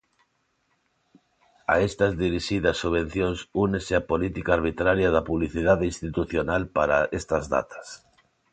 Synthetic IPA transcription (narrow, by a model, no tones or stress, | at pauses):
a̰est̪azðiɾiʃiðɐsːuβẽn̟θjõnsuneseapolit̪ikaːɾβ̞it̪ɾaɾjaðapuβliθiðaðeinst̪it̪uθjonalpaɾa̰est̪ɐzða̰t̪ḁs